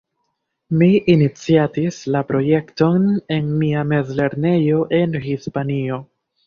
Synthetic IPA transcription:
miʔinit͡siatislapɾo̞je̞kto̞ne̞nmiame̞zle̞ɾne̞jo̞ʔe̞nhispanio̞

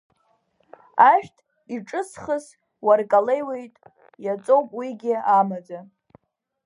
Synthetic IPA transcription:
aʃᶣtʰʼ | iʈ͡ʂʼɨsχəs | warkʼale̞jwe̞jtʼ | jat͡sʼowpʼwiɡʲɪamad͡za

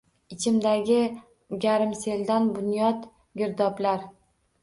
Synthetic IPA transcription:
ɪt͡ʃʰɪmd̪aɡʲɪ | ɡʲaɾɪmse̞ld̪anbʊnjɒt̪ | ɡʲɪɾd̪ɒblaɾ

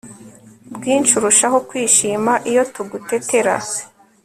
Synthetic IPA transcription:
bɡiːnt͡ʃuɾuʃaɦokwiːʃiːmaʔijo̞tuɡute̞te̞ɾa̰

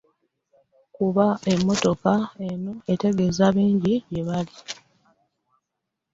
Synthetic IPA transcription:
kuβae̞mːo̞to̞kae̞no̞e̞te̞ɡe̞zaβiːɲɟiɟeβali

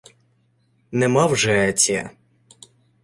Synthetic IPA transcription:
nɛmɑwʒɛɛt͡sʲiɐ̰

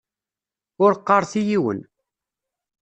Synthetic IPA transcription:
ʊɾqːɑɾˤθijiwə̰n

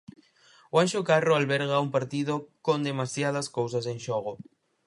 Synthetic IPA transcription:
wanʃokaroalβɛɾɣaumpaɾt̪iðokond̪emasjaðɐskows̬ɐsẽnʃoɣ̞o

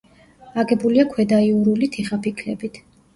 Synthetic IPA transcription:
aɡɛbuliakʰwɛd̪aiuɾulit̪ʰiχapʰikʰlɛbit̪ʰ

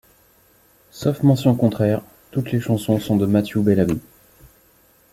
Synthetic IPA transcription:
sɔfmɑ̃sjɔ̃kɔ̃t̪χɛʁ | t̪ut̪leʃɑ̃sɔ̃sɔ̃d̪əmat̪jubɛlami

